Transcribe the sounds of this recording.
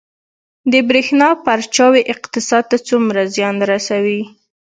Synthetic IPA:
d̪əbɾexnɑpaɾt͡ʃɑweʔɪqt̪ɪsɑd̪̚t̪at͡sumɾazjɑnɾasawi

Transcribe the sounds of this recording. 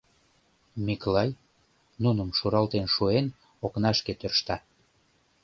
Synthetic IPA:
miklɑj | nunə̆mʃuɾɑlt̪enʃuen | oknɑʃket̪ørʃt̪ɑ

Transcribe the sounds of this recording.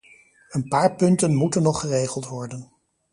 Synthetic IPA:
ənpaːɹpɵntənmutənːɔχərejχəlˠtʋɔɹdən

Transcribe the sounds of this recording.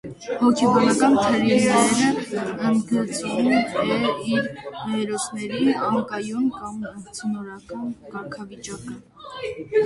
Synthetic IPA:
hɔkʰɛbɑnɑkɑnt̪ʰəɾinɛɾəənɡ̪ət͡sʰunɛiɾmɛɾɔsnɛɾiɑŋkɑjɔnkɑmt͡sʰənɔɾɑkɑnkɑɾkʰɑvit͡ʃɑkə

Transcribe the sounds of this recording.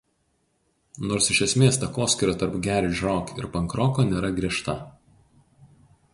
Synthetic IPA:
noːɾsɪʃʲɛsʲmʲeːst̪ɐkoːsʲkʲɪɾʲoːt̪ɐɾpɡʲæːɾʲɪʒʲɾoːkɪ̰ɾpɐŋkɾɔːkoːnʲeːɾɐɡɾʲiɛʃt̪ɐ

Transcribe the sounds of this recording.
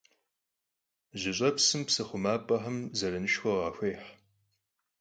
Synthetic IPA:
ʑɪɕʼɐpsɨmpsɨχʷʊmaːpʼɐħɐmzɐrɐnɨʃxʷɐʁɑːxʷejħ

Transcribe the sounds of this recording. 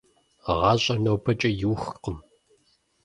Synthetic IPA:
ʁɑːɕʼɐnɐwpʰɐt͡ʃʼɐjɪwxqəm

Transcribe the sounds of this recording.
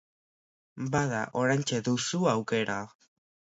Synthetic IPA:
baða̰ʔo̞ɾajnt͡ʃeðusuawke̞ɾao

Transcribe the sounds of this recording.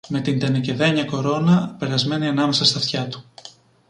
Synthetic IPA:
me̞t̪ind̪enece̞ðe̞ɲɐko̞ɾo̞nɐpe̞ɾɐzme̞niɐnɐme̞sɐst̪ɐft̪çɐt̪u̥

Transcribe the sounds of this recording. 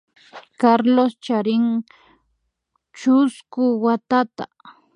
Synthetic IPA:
kaɾlost͡ʃaɾɪŋ | t͡ʃʊskʊwat̪at̪a

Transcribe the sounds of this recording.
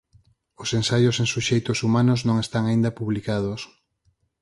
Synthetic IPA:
ʊsẽnsajosẽŋsuʃejt̪ʊsumanʊznõŋest̪aŋaĩnd̪ɐpuβlikað̞os

